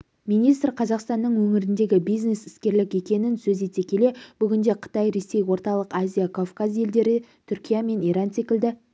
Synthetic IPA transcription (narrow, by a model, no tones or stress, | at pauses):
mijnijst̪rqʰɑzɑqst̪ɑnːəɴwɵŋɪɾɪnd̪e̞ɡʲɪbijzne̞sɪ̥skʲe̞ɾlɪkʲe̞kʲe̞nɪnsɵzet̪e̞kʲʰe̞le̞b̥ʏɡʲɪnd̪e̞qʰə̥t̪ɑjɾe̞se̞jwo̞ɾt̪ɑlˠəqazʲijakʰofkazje̞ld̪e̞ɾɪt̪ʰʏɾkʲijame̞niɾɑnse̞kʲɪld̪ɪ